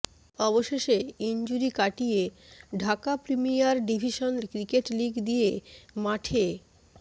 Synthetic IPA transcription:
ɔboʃeʃeind͡ʑuɾikaʈijeɖʱakapɾimijaɾɖibʱiʃonkɾikeʈliɡd̪ijemaʈʰe

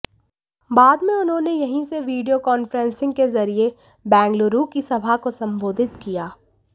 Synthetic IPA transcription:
baːd̪mẽʊnɦõːnejɐɦĩseʋiːɖijokɔːnfɾɛ̃nsɪ̃ŋɡkezɐɾie | bɛ̃ːŋɡloɾukisɐbʱakosɐ̃mbʱoːd̪ʱɪt̪kijaː

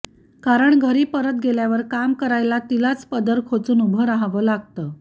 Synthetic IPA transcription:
kaɾəɳɡʱəɾiːpəɾət̪̚ɡeljaʋəɾkamkəɾajlat̪ilat͡spəd̪əɾkʰot͡suːnubʱəɾaɦaʋəlaɡ̚t̪əː

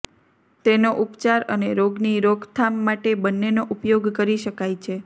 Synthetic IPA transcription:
t̪enoʔupt͡ʃaɾəneɾoɡniɾoɡt̪ʰamːaʈebənːenoʔupjoɡkəɾiʃəkajt͡ʃʰe

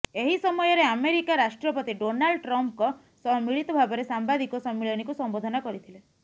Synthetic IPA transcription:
eɦisɔmɔjɔɾeameɾikaɾaʃʈɾɔpɔt̪iɖonaɭɖʈɾɔmp̚kɔ | sɔɦmiɭit̪ɔbʱabɔɾesambad̪ikɔsɔmːiɭɔnikusɔmbod̪ʱɔnakɔɾit̪ʰile

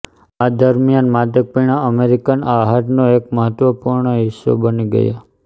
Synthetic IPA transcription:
ad̪əɾmijanmad̪ək̚piɳ̃aəmeɾikanaɦaʈnoek̚məɦət̪ʋəpuɾɳəɦɪsːo̰bəniɡə̰ja̰

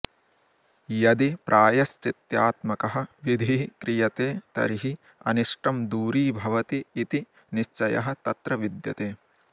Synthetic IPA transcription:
jɐd̪ipɾʔaːjɐst͡ʃit̪jaːt̪mɐkɐɦɐ̆ʋid̪ʱiːkɾijɐt̪eːt̪ɐ̰ɾiɦi | ɐ̰niʂʈɐmd̪uːɾiːbʱɐʋɐt̪iːt̪i | niʃt͡ʃɐjɐ̰ɦɐ̆t̪ɐt̪ɾɐʋid̪jɐ̰t̪eː

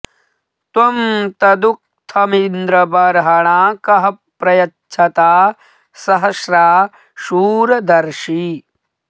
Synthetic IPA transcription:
t̪wɐmt̪ɐd̪uk̚t̪ʰɐmind̪ɾɐbɐɾɐɦɐɳaːkɐɦɐpːɾɐjɐtːt͡ʃʃʰɐt̪aː | sɐɦɐʃɾaː | ʃuːɾɐd̪ɐɾʃi

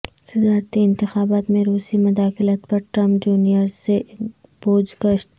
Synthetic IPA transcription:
sɪd̪aːɾt̪iɪ̃nt̪ɪxaːbaːt̪mẽɾuːsimʊd̪aːxɪlət̪pɐɾʈɾɐ̃mpd͡ʒuːnijəɾseb̥oːd͡ʒɡəʃt̪

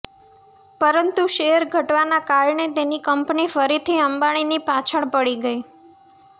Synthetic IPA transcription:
pəɾənt̪uʃeəɾɡʱəʈʋanakaɾɳet̪enikəmpnifəɾit̪ʰiəmbaɽ̃inipat͡ʃʰəɳpəɽiɡəi

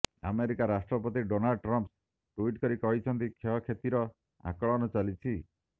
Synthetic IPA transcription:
a̰meɾikaɾasʈɾɔpɔt̪iɖonalɖ̚ʈɾɔmps | ʈuiʈkɔɾikɔɦit͡ʃʰɔnt̪ikʰeɦɔkʰet̪iɾɔ | a̰kɔɭɔnɔt͡ʃalit͡ʃʰi

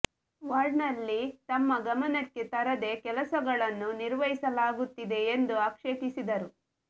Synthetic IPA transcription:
ʋaːɾɖnɐlːit̪ɐmːɐɡɐmɐnɐʈkːet̪ɐɾɐd̪e̞kɛlɐsɐɡɐɭɐnːuniɾʋɐɦisɐlaːɡut̪ːid̪e̞ːnd̪uaːkʂekisid̪ɐɾu

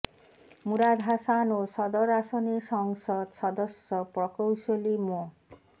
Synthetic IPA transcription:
muɾad̪ʱɦasanoʃɔd̪oɾaʃoniʃɔŋʃod̪ʃɔd̪oʃopɾɔkowʃolimo

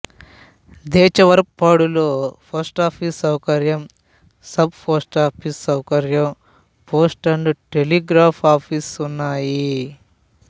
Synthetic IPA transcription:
d̪ɛːt͡ʃɐʋɐɾpːaːɽuloːpʰɐɾsʈaːpʰisɐwkɐɾjɐm | sɐb̚pʰɐsʈaːpʰisɐwkɐɾjɐm | poːsʈɐɳɖuʈeliɡɾaːpʰaːpʰiːsunːaːji

